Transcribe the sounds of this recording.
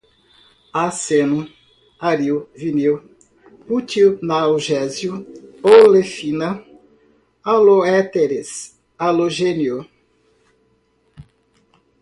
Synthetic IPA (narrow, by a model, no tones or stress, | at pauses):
asenʊ | aɾiwviniw | put͡ʃiwnawʒɛzjuolefinɐ | aloɛt̪eɾes | aloʒenjo